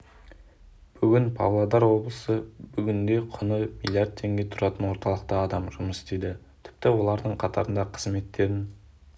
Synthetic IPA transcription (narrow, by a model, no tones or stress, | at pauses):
b̥ʏɡʲɪnpʰɑ̰vlˠɑd̪ɑɾwo̞blˠəsəbʏɡʲɪnd̪e̞qʰʊnəmilʲˠːjaɾd̪̚t̪ʰe̞ŋɡʲe̞t̪ʰʊɾɑt̪ənwo̞ɾt̪ɑlˠəq̚t̪ɑːd̪ɑmʒʊməst̪ejd̪ɪ | t̪ʰɪ̥p̚t̪ɪwo̞lˠɑɾd̪əɴqʰɑt̪ʰɑ̰ɾənd̪ɑqʰə̥zme̞t̪ːe̞ɾɪn